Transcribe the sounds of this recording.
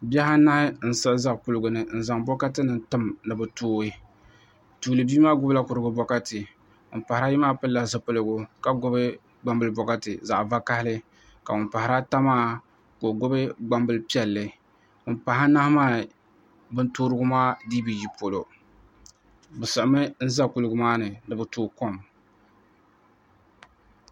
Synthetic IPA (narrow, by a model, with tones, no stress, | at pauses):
bɛ˦ɦa˦na˦hɪ˦n̩˨˦sɨ˦za˦ʔku˦lɨ˨ɡʊ˨nɨ˨n̩˨za˨ŋbɔ˦ka˦tɨ˦nɨ˨ntɨ˦mnɨ˨bɨ˨toː˦ɾɨ˦ | tuː˨lɨ˨biː˦maː˦ɡʊ˦bla˦kʊ˨ɾɨ˨ɡʊ˨bɔ˦ka˦tɨ˨ | ʊ˨m˨pa˨ɾa˦ji˦maː˦pɨ˦lːa˨zɨ˨pɨ˦lɨ˦ɡʊ˦ka˨ɡʊ˦bɨ˦ | ɡ͡ba˦mbɨ˦lbɔ˨ka˦tɨ̰˨za˨ʔva˦ka˦hɪ˦lɨ˦ | ka˨ʊ˨npa˨hɪ˨ɾa˦ta˦maː˦ | ko˨ɡo˦bɨ˦ɡ͡ba˦mbɨ˦lɨ˦pi˦ɛ˨lːɨ˨ | ʊ˨mpa˨ɦa˦na˦hmaː˦˨ | bɨ˦ntoː˦ɾɨ˦ɡʊ˦maː˦diː˦bi˨ji˨po˨lo˨ | bɨ˨sɨ˨ʔmɨ˦n̩˦za˦kʊ˨lɨ˨ɡʊ˦maː˦nɨ˨nɨ˨bɨ˨toː˦ko˦m